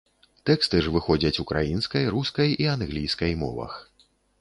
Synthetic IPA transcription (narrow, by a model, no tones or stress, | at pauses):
t̪ɛkst̪ɨʐvɨxɔd͡zʲɐt͡sʲukɾajinskɐjɾuskɐjianɣlʲijskɐjmɔ̰vɐ̰x